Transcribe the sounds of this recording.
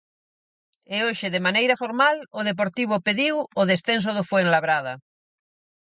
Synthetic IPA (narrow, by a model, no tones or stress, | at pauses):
eoʃɪðemanejɾafoɾmaloðep̬oɾt̪iβ̞opeðiwoðesθens̬oð̞ofweŋlaβɾað̞a